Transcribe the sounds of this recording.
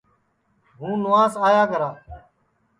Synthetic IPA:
ɦũːnʊʋaːsaːjaːɡəɾaː

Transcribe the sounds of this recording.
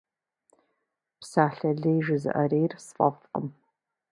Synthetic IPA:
psaːɬɐɮejʒɪzɨ̰ʔɐreːjrsfʼɐfqʼə̰m

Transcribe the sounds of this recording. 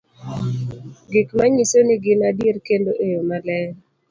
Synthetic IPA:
ɡɪkmaɲisonɪɡɪnadjeɾkendoʔejomalɛ

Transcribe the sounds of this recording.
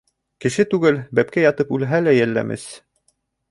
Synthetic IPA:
kɘ̆ʃɘt̪ʉɡɘlbæp̚kæjɑt̪ɤpʉlɦælæjælːæ̰mʔɘ̰s

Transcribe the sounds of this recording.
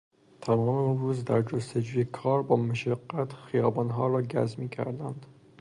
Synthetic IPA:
t̪ʰæmɒːmeunruːzd̪æɾd͡ʒost̪ed͡ʒuːjekʰɒːɾbɒːmaʃæɡːæt̪xijɒːbɒːnɦɒːɾɒːɟæ̰zmiːcʰæ̰ɾd̪ænd̪̥

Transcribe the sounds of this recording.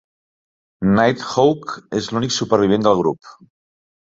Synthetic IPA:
najt̪howkezluniksupəɾβ̞iβ̞end̪əlˠɣ̞ɾṵp

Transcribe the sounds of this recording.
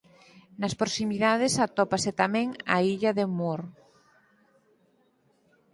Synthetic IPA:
naspɾosimiðaðesat̪ɔpaset̪amẽŋa̰iʎaðemoɾ

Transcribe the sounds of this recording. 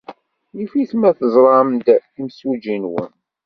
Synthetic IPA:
jifiθmæθəzˤɾˤɑmd̪imsud͡ʒinwə̰n

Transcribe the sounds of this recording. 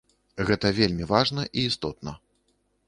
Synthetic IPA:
ɣɛt̪ɐvʲelʲmʲivaʐnɐʔiːst̪ɔt̪̚nɐ

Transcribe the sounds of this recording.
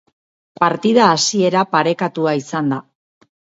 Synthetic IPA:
paɾt̪iðaːsie̞ɾapaɾe̞kat̪uaisand̪a

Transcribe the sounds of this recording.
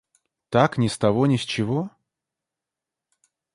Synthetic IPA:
t̪aknʲɪst̪ɐvonʲɪsʲt͡ɕɪvo

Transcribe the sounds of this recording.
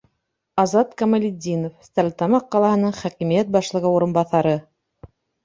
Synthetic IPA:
ɑzɑt̪kɐmalʲid̪ʲinofst̪ælʲt̪ɑmɑqːɑlˠɑhɤ̆nɤɴχækimijæt̪̚bɑʃlˠɤ̆ʁɤuɾɤ̆nbɑθɑɾɤ

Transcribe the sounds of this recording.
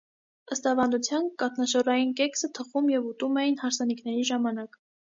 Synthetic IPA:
əst̪ɑvɑnd̪ut͡sʰjɑnkɑt̪ʰnɑʃɔrɑjinkɛksət̪ʰəχumjɛvut̪umɛjinhɑɾsɑniknɛɾiʒɑmɑnɑk

